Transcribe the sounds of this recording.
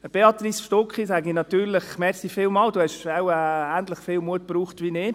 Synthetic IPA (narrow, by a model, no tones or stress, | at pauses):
əb̥eɑt̪risʃtɔkχisæɡinɑt̪yːɾlɪχmɛɾsifɪːlmɑːlduːhɛʃawɛæntləχfɪːlmuət̚b̥ɾuːχtʋiːnɪ